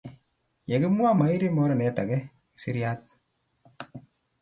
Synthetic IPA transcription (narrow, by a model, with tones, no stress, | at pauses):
jɛ˨kɪ˦mwa˦ma˨i˦ɾi˦mɔ˦ɾɔ˨nɛ˨ta˨kɛ˦ | ki̥˨si˦ɾja˦t̚